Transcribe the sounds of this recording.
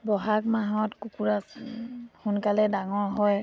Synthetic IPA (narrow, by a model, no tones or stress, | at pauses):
bɔɦakmaɦɔtkukuɹa | xunkalɛdaŋɔɹɦɔj